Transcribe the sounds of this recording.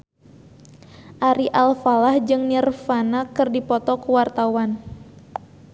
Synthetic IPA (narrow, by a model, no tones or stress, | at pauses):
ʔaɾiʔalfalahd͡ʒɨŋnirfanakɨrdipɔt̪ɔkuwart̪awan